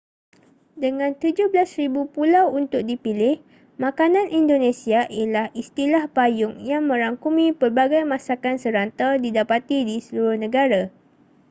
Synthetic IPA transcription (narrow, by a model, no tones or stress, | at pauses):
dəŋãnt̪ud͡ʒʊhbəlasribupulawunt̪ʊk̚dipilɪh | mãkanãnʔindonẽsiaʔilahʔist̪ilahpajʊŋjaŋmə̃ɾaŋkumĩpərbaɡajmãsakansəɾant̪adidapat̪idisəluɾʊhnə̃ɡaɾa